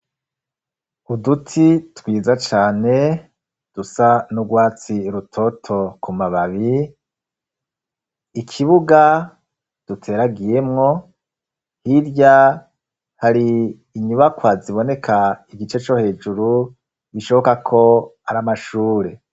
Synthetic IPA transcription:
udutʰitwiːzat͡ʃaːne̞ | d̥usanuɡwaːt͡siɾutʰo̞tʰo̞kʰumaβaβi | ikʰiβuɡa | d̥utʰe̞ːɾaɡije̞mŋo̞ | hiɾɟa | haɾiː | ɲuβakwaziβo̞ne̞kʰaiɡit͡ʃe̞t͡ʃo̞he̞ːd͡ʒuɾu | βiʃo̞βo̞kakʰo̞aɾamaʃuːɾe̞

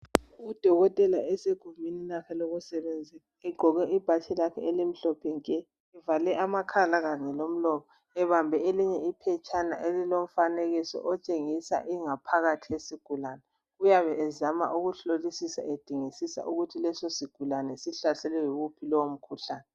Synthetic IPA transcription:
ud̥ʱɔɣɔtʼɛlaɛseɡ̥ʱumininakʰɛloɣusɛβend͡zʱiaɛɡ͡ǃʱɔɣɛʔib̥ʱat͡ʃʰʼɛlakʰɛ̰elim̩ɬɔpʰɛŋkʼɛ | ɛvalɛʔamakʰalaɣaŋɛlom̩lɔkʰɔ | ɛβambʱɛeliɲɛipʰɛt͡ʃʼana̰ʔelilom̩faneɣisɔ̰ʔɔt͡ʃʼeŋisa̰ʔiŋapʰaɣatʰijesiɡ̥ʱulanɛ | ɣujaβɛːzama̰ʔuɣuɬolisisa̰ed̥ʱiŋisisa̰ʔuɣutʰilɛsosiɡ̥ʱulanɛsiɬasɛlɛjuɣupʰilɔwom̩kʰuɬaːnɛ

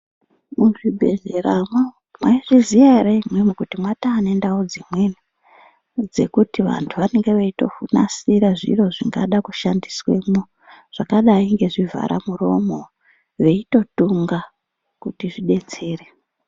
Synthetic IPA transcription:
muʐibʱe̞̰ɮeɾamwa | mwaiʐizijareimwemukutimwataːne̞ndaud͡zimweni | d͡ze̞̰kutiʋa̰ntʰuʋane̞ŋɡe̞ʋaito̞̰funa̰siɾaʐḭro̞ʐiŋɡaɗakuʃandiswe̞mo | ʐ̥akaɗaiŋɡe̞ʐivʱa̰ɾa̰muro̞mo̞ | ʋe̞ito̞tuŋɡa | kutiʐiɗe̞t͡se̞ːre

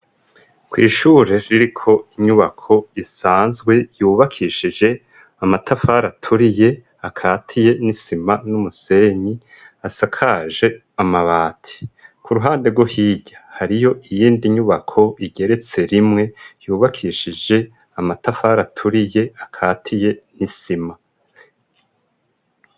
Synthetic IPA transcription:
kwiːʃuːɾeɾiɾikʰo̞iɲuβakʰo̞isaːnzɡwe̞juːβakʰiʃid͡ʒe̞ | amatafaːɾatʰuɾije̞ | akʰaːtʰije̞nisimanumuse̞ɲi | asakʰaʒe̞ | amaβaːtʰi̥kʰuɾuɦaːnde̞ɡwohiːɟḁhaɾijo̞ʔijiːndiɲuβakʰo̞iɟe̞ɾe̞t͡se̞ɾimŋe̞juːβakʰiːʃid͡ʒe̞ | amatafaːɾatʰuɾije̞akʰaːtʰije̞nisima

